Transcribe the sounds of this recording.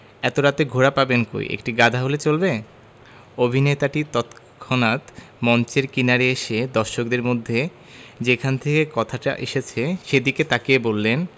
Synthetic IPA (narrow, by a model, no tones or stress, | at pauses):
ɛt̪oɾat̪eɡʱoɾapabenko̰ḭʔḛk̚ʈiɡad̪ʱaɦolet͡ɕolbe | obʱinet̪aʈit̪ɔt̪ | kʰonat̪ | mɔnt͡ɕeɾkinaɾeeʃed̪ɔɾʃok̚d̪eɾmod̪ʱːe | d͡ʑekʰant̪ʰekekɔt̪ʰaʈa̰ʔḛʃet͡ɕʰeʃed̪iket̪akebolːen